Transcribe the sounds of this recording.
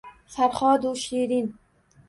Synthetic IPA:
faɾχɒːd̪uʃiɾin

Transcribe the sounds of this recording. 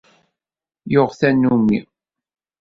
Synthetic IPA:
joʁθænːumḭ

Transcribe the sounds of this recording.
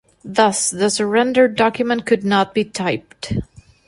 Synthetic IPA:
ðʌsðɨsə˞ɛ̃ndə˞dɑkjɨmə̃n̚kʰɨdⁿnət̚b̥itʰaɪp̚t

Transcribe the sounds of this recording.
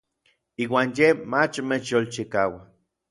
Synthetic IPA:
iːwaːnjemat͡ʃmet͡ʃjolt͡ʃikaːwa

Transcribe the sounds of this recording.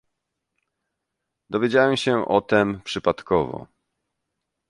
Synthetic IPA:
d̪ɔvʲjed͡ʑawɛmɕɛʔɔt̪ɛmpʂɘpat̪kɔvɔ̰

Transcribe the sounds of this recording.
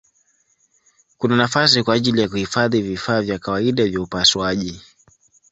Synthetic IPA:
kunanafas̬ikwaːʄilijak̬uhifaðivifaːvjakawaiɗavjaupaswaʄi

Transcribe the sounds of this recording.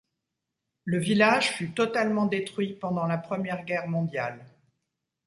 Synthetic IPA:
ləvilaʒfyt̪ɔt̪almɑ̃d̪et̪χɥipɑ̃d̪ɑ̃lapχəmjɛʁɡʲɛʁmɔ̃d̪jal

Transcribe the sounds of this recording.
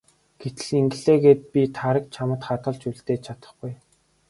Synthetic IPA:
ɡ̥et̪ɘ̆ɮiŋɡɘ̆ɮeːɡeːt̪̚pʲit̪ʰaɾə̆k̚t͡ɕʰamə̆t̪χat̪ə̆ɮt͡ɕuɮt̪eːt͡ɕʰat̪ə̆χɡuj

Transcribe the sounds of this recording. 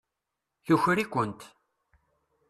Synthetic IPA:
θuçɾikʷːənt̪

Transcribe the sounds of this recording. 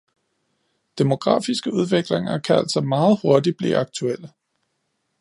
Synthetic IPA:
d̥emo̝ɡ̥ʁɑ̰̈ːfisɡ̥əuð̞ˠʋe̝ɡ̥leŋɐkʰææ̰l̰sɒmɑ̈ːð̞̩ˠho̝ɐd̥i̥b̥lḭːɑ̈ɡ̥̚t͡sʰuel̰ə

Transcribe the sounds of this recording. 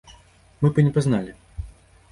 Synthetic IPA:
mɨpɨnʲɛpaznalʲi

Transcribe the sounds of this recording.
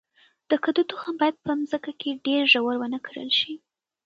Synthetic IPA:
d̪̥əkad̪ut̪uxanbɑjad̪̚pəmzəkakeɖeɾʒawəɾwənəkʰəɽə̰lʃi

